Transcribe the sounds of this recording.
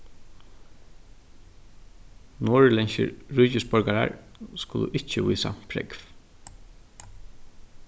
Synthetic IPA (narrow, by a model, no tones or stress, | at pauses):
noːɹlɛnʃə̰ɹɹuːcɪspɔɹkaɹa̰ɹskʊːlʊʔɪt͡ʃːəviːsa̰pʰɾɛ̰kf